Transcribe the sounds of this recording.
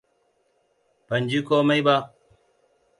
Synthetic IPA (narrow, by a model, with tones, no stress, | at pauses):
pɐ˨ɲd͡ʒi˦koː˦mɐ˦jba˦